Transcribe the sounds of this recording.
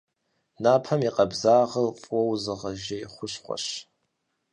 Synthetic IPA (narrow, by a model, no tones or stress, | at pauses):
napʰɐmiqʼabzaːʁəlqʼwowzɨʁɐʒajχʷʊʃχʷa̰ʃ